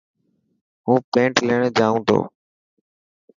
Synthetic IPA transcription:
ɦũːpẽːɳʈleːɽ̃d͡ʒaːũːt̪ʰo̰ː

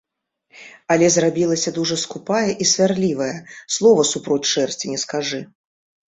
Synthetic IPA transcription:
ɐlʲɛzrabʲilˠɐsʲɐd̪uʐɐskupajɐʔisʲvʲarlʲivɐjɛslˠɔvɐsupɾɔt͡sʲʂɛrsʲt͡sʲinʲɛskaʐɨ

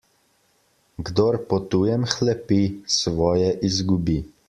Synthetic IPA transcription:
ɡd̪oːɾpɔt̪uːjɛmxlɛpisʋɔːjɛʔizɡubi

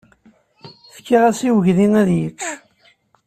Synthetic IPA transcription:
θə̥kːiʁæsiwəʝðinæðjət͡ʃː

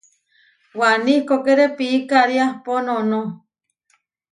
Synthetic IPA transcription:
wanikokeɾepiːkaɾiahponõno

